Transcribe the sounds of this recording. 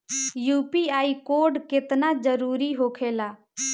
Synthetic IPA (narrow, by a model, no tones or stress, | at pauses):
juːpiaːikoːɾɖkɪt̪nad͡ʒəɾuːɾiɦoːkʰeːlaː